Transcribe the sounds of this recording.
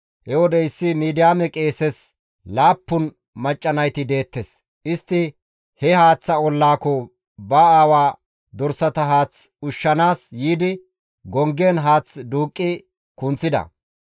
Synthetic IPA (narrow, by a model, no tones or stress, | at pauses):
hɛwɔd̪ɛɪsːɪmiːd̪ɪjaːmɛkʼe̞ːsɛs | laːpːʊn | mɐt͡ʃʼːɐnɐjt̪ɪd̪e̞ːt̪ːɛs | ʔɪst̪ːɪ | hɛhaːt͡sːɐɔlːaːkɔ | bɐaːwaː | d̪ɔɾsɐt̪ɐɦaːt͡sʊʃːɐnaːsjiːd̪ɪ | ɡɔŋɡenɦaːt͡sd̪uːkʼːɪ | kʊnt͡sːɪd̪ɐ̰